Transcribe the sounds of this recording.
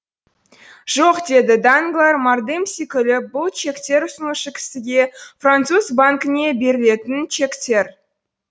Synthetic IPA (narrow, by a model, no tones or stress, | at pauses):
ʒ̥o̞qd̪e̞d̪ɪd̪aŋɡlˠaɾmard̪emsikʲʏlɪbʊlˠt͡ʃʰe̞kt̪ʲe̞ɾʊsənəʃəkʲʰɪ̥sɪɡ̪ʲe̞frant̪suzbaŋkɪne̞be̞ɾɪle̞t̪ɪnt͡ʃe̞kt̪e̞ɾ